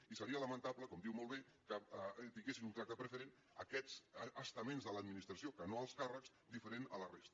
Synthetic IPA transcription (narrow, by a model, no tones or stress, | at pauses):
isəɾiələmənt̪apləkɔmd̪iwmolˠβekət̪iŋɡesinunt̪ɾak̚t̪əpɾəfəɾen | əkɛzəst̪əmenzðələd̪̚minist̪ɾəsiokənoəlˠskarəkz̥ | d̪ifəɾenə̰lərest̪ə